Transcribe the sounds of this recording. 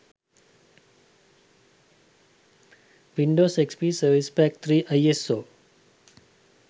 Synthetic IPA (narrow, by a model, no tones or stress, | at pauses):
ʋiɳɖosekspisəɾʋispækt̪ʰɾiʔajeso